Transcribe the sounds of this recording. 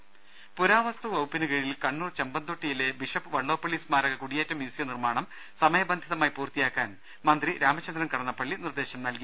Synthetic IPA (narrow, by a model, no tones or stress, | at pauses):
puɾaːʋɐst̪uɐwpːinɨɣɐɻilkɐɳːuːrt͡ɕembɐnd̪oʈːijile̞biʂɐpːɨʋɐɭːo̞ːpːoɭiːsmaːɾɐɣɐkuɽijeːtːɐmjuːsijɐnirmaːɳɐm | sɐmɐjɐbɐnd̪ʱiðɐmaːjpuːrt̪ijaːkːaːn | mɐnd̪riɾaːmɐt͡ɕːɐnd̪rɾɐnkɐɽɐnːɐpːɐɭːinird̪e̞ːɕɐmnɐlki